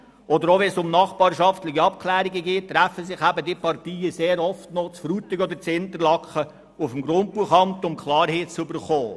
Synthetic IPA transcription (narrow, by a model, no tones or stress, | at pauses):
ɔd̪əɾoʋɛnsʊmnɑːχbɑːɾʃɑft̪lɪɡiɑp̚kʰlæːɾɪɡəɡeːttːɾæfəsɪχæbədipɑrtiːəseːɾɔftnot͡sfɾuːtɪɡɔd̪ət͡sɪnt̪əɾlɑkχə | ufəmɡɾʊnt̚b̥uəχɑmt̪ʊmkʰlɑːɾheːt͡sʏbəɾχoː